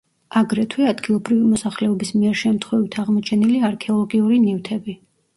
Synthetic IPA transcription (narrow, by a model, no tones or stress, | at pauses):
aɡɾɛt̪ʰwiad̪ɡilˠɔbɾivimɔsaχlɛɔbismiɛɾʃɛmt̪ʰχwɛvit̪ʰaʁmɔt͡ʃʰɛniliaɾkʰɛɔlˠɔɡiuɾinift̪ʰɛbi